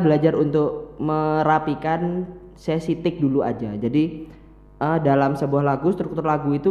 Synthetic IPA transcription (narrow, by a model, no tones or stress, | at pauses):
bəlad͡ʒarunt̪ʊk̚məɾapikan | sesit̪ɪk̚dulua̰d͡ʒad͡ʒadi | ədalamsəbuahlaɡust̪əɾkut̪ʊrlaɡuit̪u